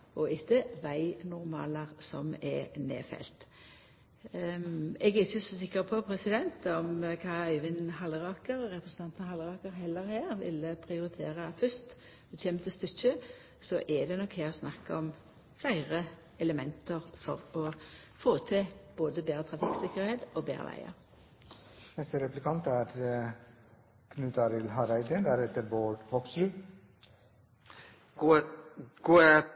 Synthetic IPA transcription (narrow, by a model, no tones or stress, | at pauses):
ɔɪt̪ːəʋæɪnʊʁmɑ̰ːləʁsɔ̰mɛ̰nḛːfɛ̰lt̪ | ɛɡɛɪçːəsɔsɪkːəʁpʰɔpʰɾɛsɪd̪ɛnt̪ɔmkʰɑːœɪʋɪnɦɑlʁɑːkəɾːɛpɾəsn̩t̪ɑnt̪nhɑlʁɑːkəɾɦɛlːəɾhæːʁʋɪ̰ləpʰʁɪʊɾɪt̪ʰeːʁəfʏst̪ | t͡ʃʰɛːmət̪ʰɪst̪ʏçə | sɔʔɛd̪ɛnɔkheːɾsnɑkːɔm | flæɪʁə | ɛləmɛnt̪əʁfɔʁɔfoːt̪ʰɪb̥oːd̪əbeːʁət̪ʰʁɑfiksɪkəʁheːt̪oːbḛːʁə̰ʋæ̰ɪə̰ʁ | nɛst̪əɾɛplɪkɑnt̪æːɾ | kʰnʉːt̪ɑɾɪlɦɑːɾæɪd̪ənd̪æɾɛt̪ːəɾboːɖpʰɔksɾʉː | ɡ̥oː